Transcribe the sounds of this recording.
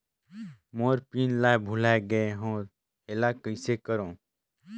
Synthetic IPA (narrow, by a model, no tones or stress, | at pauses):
moːɾpiːnlaːjbʱulajɡəeɦõː | elakəsekəɾõː